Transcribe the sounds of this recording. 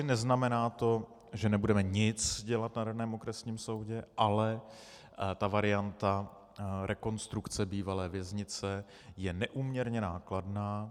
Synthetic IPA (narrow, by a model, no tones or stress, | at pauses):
nɛznamɛnaːt̪o̞ | ʒɛnɛbudɛmɛɲɪt͡sɟɛlat̪nadanɛːmo̞kɾɛsɲiːmso̞wɟɛʔalɛ | t̪avaɾɪant̪a | ɾʔɛko̞nst̪ɾukt͡sɛbiːvalɛːvjɛzɲɪt͡sɛ | jɛnɛʔuːmɲɛɾɲɛnaːkladnaː